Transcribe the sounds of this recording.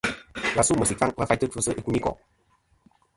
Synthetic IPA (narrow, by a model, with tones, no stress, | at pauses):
la˨su˦mə˨si˨k̚fa˦ŋva˧˦fa˧˦t̪ə˦ʈ͡ʂʰu˧sə˦ʔe˧ku˧˦ni˦kɔ̰˨